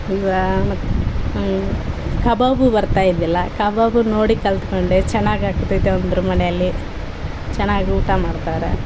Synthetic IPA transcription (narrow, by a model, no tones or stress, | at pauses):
iʋaɐ | kɐbaːbubɐɾt̪aːjid̪ilːɐkɐbɐːbunoːɽikɐlt̪u̥koɳɖet͡ʃɛnːaːɡaːkut̪ːid̪eond̪ɐɾumɐnɛjɐlːi | t͡ʃɛnːaːɡiuːʈamaːɖt̪aːɾḛ